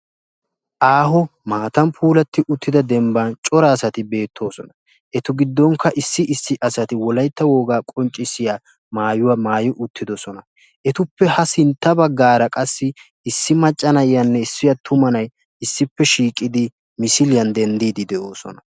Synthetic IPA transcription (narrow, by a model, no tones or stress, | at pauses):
ʔaːɦɔmaːt̪ɐmpʰuːlɐt̪ːɪʔʊt̪ʰːɪd̪ɐd̪ɛmbɐnt͡ʃʼɔɾɐːsɐt̪ɪbe̞ːt̪ʰːo̞ːsɔnɐ | ʔɛt̪ʊɡɪd̪ːɔŋkːɐʔɪsːɪʔɪsːɪʔɐsɐt̪ɪwɔlɐjt̪ːɐwo̞ːɡaːkʼɔnt͡ʃʼːɪsɪjaː | maːjʊwamaːjʊʔʊt̪ːɪd̪ɔsɔnɐ | ʔɛt̪ʊpːɛhɐsɪnt̪ːɐbɐɡːaːɾɐkʼɐsːɪ | ɪsːɪmɐt͡ʃʼːɐnɐjɪjɐnːɛɪsːɪjɐt̪ʰʊmɐnɐj | ɪsːɪpːɛʃiːkʼːɪd̪ɪ | mɪsɪlɪjɐnd̪ɛnd̪iːd̪ɪd̪ɛʔo̞ːsɔ̰nɐ